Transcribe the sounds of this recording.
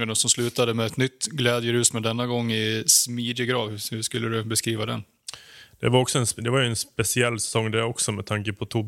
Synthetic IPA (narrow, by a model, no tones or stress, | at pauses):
ənɔsɔmslʉ̟ːt̪ad̪əmɛɛt̪nʏt̪ːɡlɛːd̪jəɾʉ̟ːsmɛd̪ɛnːaɡɔŋːɪsmiːd̪jəɡɾɑːvhhʉʂkɵlːəɾɵbɛskɾiːvad̪ɛnː | d̪̥ɛvaɾɔksɔɛnsd̪ɛvajɵɛnspɛsɪɛlːsɛ̥sɔŋːd̪æɔksɔmɛd̪t̪ʰaŋkəpʰɔt̪ʰʊb